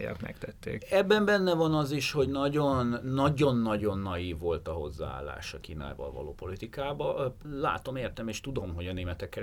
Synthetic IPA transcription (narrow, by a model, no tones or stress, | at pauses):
jɑ̰kmɛ̰kt̪ɛt̪ʰːḛːkɛbːɛmbɛnːɛvɒnɒziʃho̞ɟnɒɟo̞nːɒɟo̞nːɒɟo̞nːɒjiːvːo̞lt̪ɒɦo̞zːa̰a̰ːlːa̰ːʃɒkiːna̰ːjvɒ̰lvɒ̰lo̰ːpo̞lit̪ikaːbɒla̰ːt̪o̞meːrt̪ɛmeːʃt̪ud̪o̞mɦo̞ɟɒneːmɛt̪ɛkːɛ